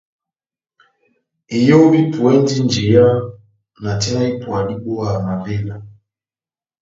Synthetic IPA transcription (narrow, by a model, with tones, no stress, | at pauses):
i˨jɔ˦wi˦pu˨ɛ˦ndi˦nd͡ʒi˨a˦ | na˨tɛ˦na˦i˦pwa˨ɗi˦ɓɔ˦a˦˨na˨vɛ˦la˨